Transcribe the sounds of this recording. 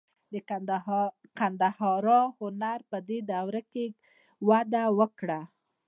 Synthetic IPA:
d̪ə | kand̪ahɑɾɑhʊnaɾpəd̪ed̪awɾake | wad̪awəkɽa

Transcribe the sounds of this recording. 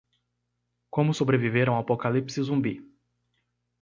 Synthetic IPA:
kõmʊsobɾeviveɾɐ̃w̃apokalipsɪzũbi

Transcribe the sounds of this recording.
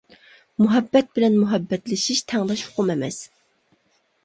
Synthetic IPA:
muɦɛbːɛt̪̚bɪlɛnmuɦɛbːɛt̪lɪʃiʃt̪ʰɛŋlˠɛʃʊ̥qʰʊmɛmɛ̰s

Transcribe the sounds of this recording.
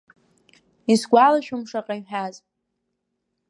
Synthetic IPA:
isɡʷalaʃᶣʊmʂaqʼaħᶣaz

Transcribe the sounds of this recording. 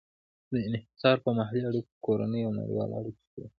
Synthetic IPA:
d̪əɪnh̪ɪ̥sɑɾpəmaɦaliaɽikokoɾa̰nəjawna̰ɾ̰ɡɑ̰lɑ̰ɽiki̥kai

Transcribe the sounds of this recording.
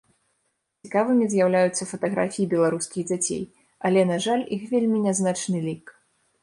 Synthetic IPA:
t͡sʲikavɨmʲizʲjawlʲajut̪sːɐfɐt̪ɐɣɾa̰fʲijibʲɛlˠaɾuskʲiɣd͡zʲat͡sʲḛj | ɐlʲɛnaʐalʲixvʲelʲmʲinʲaznat͡ʂnɨlʲik

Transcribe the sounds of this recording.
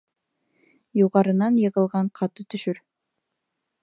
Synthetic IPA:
juʁɑɾɤ̆nɑnjɤ̆ʁɤ̆lˠʁɑɴqʰɑt̪ɤt̪ɵ̆ʃɵɾ

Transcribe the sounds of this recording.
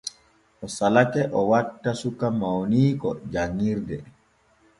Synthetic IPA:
ɔsalakɛʔɔwatːasukamawniːkɔ̰d͡ʒaŋːiɾdɛ

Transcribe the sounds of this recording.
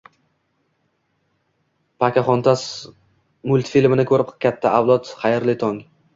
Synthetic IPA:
pʰakʲʰaχɒnt̪ʰas | mʊlʲˠt̪filmɪnɪkʰɵɾɪpkʲʰat̪ʰːaawlˠɒt̪χajɾlɪt̪ʰɒŋ

